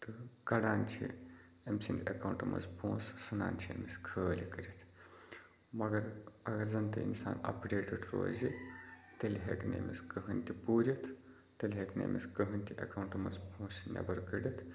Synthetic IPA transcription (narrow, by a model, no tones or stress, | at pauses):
t̪ɨɡɐɽaːnt͡ʃʰḭ | emsinɐkawɳʈɐmɐ̰zpʰõːssɐna̰ːnʲt͡ʃʰiḛmiskʰəːlikɐɾɐt̪ʰ | mɐɡɐɾɐɡɐɾzɐnt̪ɐ̰ḭnsa̰ːnɐ̰pɖeːʈeʈɾoːzi | t̪eliɦeknḛmiskəɦɐnt̪ipuːɾʲjɐt̪ʰ | t̪elɦeknḛːmḭskɐɦɐnʲt̪ʰiʔɐ̰kɐwɳʈɐmɐ̰zpʰõːsnʲɐ̰bɐɾkɐɖɐt̪ʰ